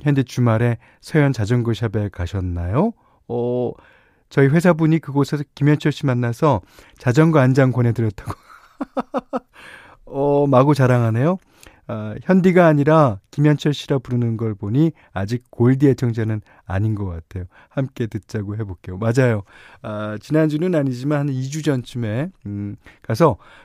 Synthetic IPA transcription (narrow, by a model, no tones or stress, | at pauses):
hjʌndit͡ɕumaɾe̞ | sʰejʌnt͡ɕad͡ʑʌŋɡɯɕ̬ʰabekaɕʰʌnːajo | ʌ | t͡ɕʌiɸwe̞sʰabuɲikɯɡosʰeskimjʌnt͡ɕʰʌɭɕ͈imanːasʰʌ | t͡ɕad͡ʑʌŋɡɯand͡ʑaŋkwʌnɦe̞dɯɾjʌt̚t͈ḁɡ̥o | ʌmaɡot͡ɕaɾaŋanejo | çjʌndiɡaːɲiɾakimjʌnt͡ɕʰʌɭɕ͈iɾapuɾɯnɯnɡʌɭboɲi | ad͡ʑik̚k͈oɭdiet͡ɕʰʌŋd͡ʑanɯn | a̰ɲinɡʌk͈atʰe̞jo | hamk͈e̞tɯt̚t͈aɡoɦe̞bok͈ejomad͡ʑajoat͡ɕinand͡ʑunɯnaɲid͡ʑimanhanid͡ʑud͡ʑʌnt͡ɕʰume̞ | kasʰʌ